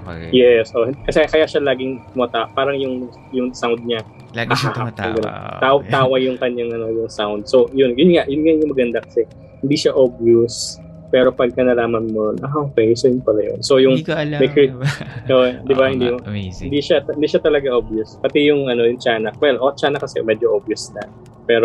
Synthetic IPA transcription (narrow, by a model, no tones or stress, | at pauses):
jɛsʔo̞hɪkɐsɛkɐjaʃalaːɡɪŋmɐt̪apaːɾɐŋjʊŋ | jʊŋsawnd̪̚ɲa | hɐhaap̚ɐɡɐno̰awt̪aːwɐjʊŋkɐɲːaŋɐno̞jʊŋsawnd̪̚so̞jʊnjʊnŋaʔjʊnŋaʔjʊŋmɐɡɐnd̪akɐ̥sɛ | hɪnd̪iʃaʔobjus | pɛːɾo̞pɐɡ̚kɐnɐlaːmɐnmʊnonʔaʔoːkɛjsojʊnpɐlajo̰nso̞jʊŋmɛkiʔoʔd̪ɪbahɪnd̪iɪnd̪iʃaɪnd̪iːʃat̪ɐlɐɡaʔobjʊspɐt̪ijʊŋʔɐno̞jʊŋt͡ʃaːnɐwɛlʔot͡ʃaːnɐkɐsɛ̰mɛd͡ʒoʔobjʊsnɐ | pɛːɾo